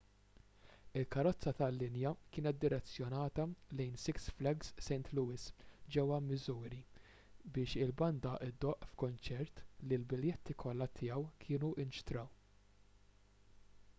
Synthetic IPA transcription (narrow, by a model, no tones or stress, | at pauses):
ɪlkɐɾɔt͡sːɐt̪ɐlːɪnjɐkɪːnɛt̪̚d̪ɪɾɛt͡sːjɔnɐːt̪ɐlɛjnsɪksflɐɡsːɛjnt̪luːɪsd͡ʒɛwːɐmːɪzuːɾi | bɪːʃɪlbɐnd̪ɐʔɪd̪ːɔʔfkʊnt͡ʃɛɾt̪lilbɪljɛt̪ːikʰɔlːɐt̪ʰɪːɐwkʰɪːnuʔɪnʃt̪ɾɐw